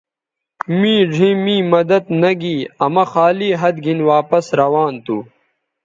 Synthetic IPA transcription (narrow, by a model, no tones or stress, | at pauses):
mĩːʐʱĩːmĩːmɐd̪ɐt̪nɐɡiːɐmɐxaːliːɦɐd̪ɡʱinwaːpɐsɾɐwaːnt̪uː